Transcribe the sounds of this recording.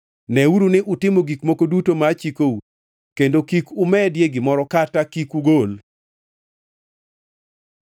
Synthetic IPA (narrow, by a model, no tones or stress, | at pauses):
nɛuɾunɪʔutɪmoɡikmokodutomat͡ʃikou | kendokikumɛdjeɡɪmɔɾɔkatakikuɡol